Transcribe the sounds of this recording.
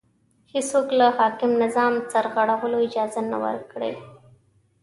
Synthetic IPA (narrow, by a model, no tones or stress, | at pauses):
hɪsoklahɑkɪmnɪzɑmt͡saɾɣaɽawəloɪd͡ʒɑzana̰wə̰ɾkɽḛ